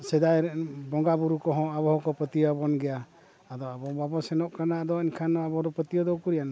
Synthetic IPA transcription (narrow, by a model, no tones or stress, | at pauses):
sɛd̪ajbɔŋɡabuɾukɔɦɔ̃aβɔɦɔ̃kɔpət̪iabɔnɡɛjaː | d̪ɔabɔbabɔsɛnɔʔkanaːd̪ɔinkʰanɔabɔɾɔpət̪iɔd̪ɔkuɾijan